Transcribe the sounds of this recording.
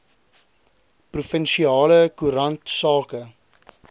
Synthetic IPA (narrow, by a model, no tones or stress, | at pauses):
prufənʃiɑːləkuɾɐntsɑːkə